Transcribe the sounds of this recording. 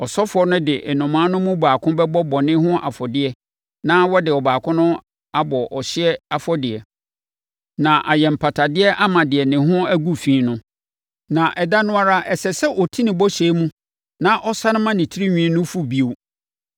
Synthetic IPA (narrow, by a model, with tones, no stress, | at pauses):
ɔ˨sɔ˦fʊ˨˦ɔ˦nʊ̃˦dɪ˨ʔɛ˨nʊ̃˨mãː˦nʊ̃˦mʊ̃˦baː˨kʰʊ̃˦bɛ˦bɔ˦bɔ˨nɪ̃˦hʊ̃˦ʔa̰˨fɔ˨dɪ˦ɛ˦ | nã˦wɔ˦dɪ˨ɔ˨baː˨kʰʊ̃˦nʊ̃˦ | a˦bɔ˨ʔɔ˨ɕɪ˦ɛ˦a˨fɔ˦dɪ˨ɛ˨ | nã˨ʔa˨jɛ˨m̩˨pʰa˨tʰa˨dɪ˦ɛ˦ʔa˦mã˨dɪ˨ɛ˨nɪ̃˨ɦʊ̃˦æ˦ɡu˦fĩː˨˦nʊ̃˦ | nã˨ʔɛ˨da˦nʊ̃˦a˦ɾa˦ʔɛ˨sɛ˨sɛ˦ʔɔ˨tʰĩ˦nɪ̃˨bɔ˦ɕɛ˨˦mũ˦ | nã˦ʔɔ˦sa˦nɪ̃˦mã˦nɪ̃˨tʰi˦ɾi˦ɲᶣĩ˦nʊ̃˦fu˦bi˦o˨